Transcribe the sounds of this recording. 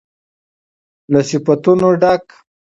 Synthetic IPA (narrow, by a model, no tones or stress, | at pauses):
lasifat̪unoɖak